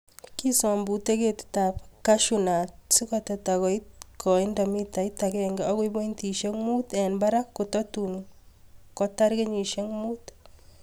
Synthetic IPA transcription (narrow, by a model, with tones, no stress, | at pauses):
ki˦sɔ˨mbu˨te˦ke˦tta˨pka˦ʃuna˨tsi˦kɔtɔ˨ta˨ɣɔ˨i˦tkʰɔ˨i˦nda˨mi˦ta˨i˦ta˨kɛ˦ŋɡɛɔ˦ki˦bo˦nti˨ʃe˦ŋmu˦tɛ˨nba˦ɾa˦kːu˨tɔ˦tu˨n | kɔ˦ta˦ɾke˦ɲi˨ʃe˦ŋmu˦t